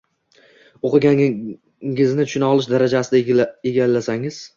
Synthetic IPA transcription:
oqɨɡʲa | ɪznɪt̪ʰʊ̥ʃɪnɒlˠɪʃd̪aɾad͡ʒasɪd̪aeɡʲalːasaŋɪz̥

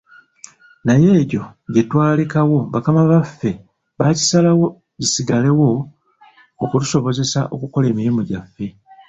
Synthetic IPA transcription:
naje̞ːɟo̞ɟe̞twaːlikawo̞βakamaβafːe̞ | βaci̥salawo̞ | ɟisiɡale̞wo̞ː | kutu̥so̞βo̞ze̞sa̰ʔo̞̰kuko̞le̞ːmiɾimuɟafːe̞

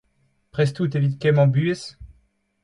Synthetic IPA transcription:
pχɛst̪ut̪evit̪kʲɛmɑ̃byes

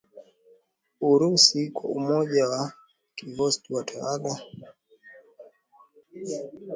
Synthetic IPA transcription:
uɾusikwaumɔʄawa | kiɡɔstuwatʰaaɡa

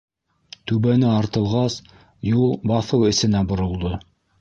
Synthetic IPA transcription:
t̪ʉβænɘɑɾt̪ɤ̆lˠʁɑs | julˠbɑθɤwɘ̆sɘ̆næbŏɾŏlˠd̪o

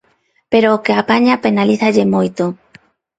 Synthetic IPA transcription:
peɾoːkeapaɲapenaliθaʎemojt̪o

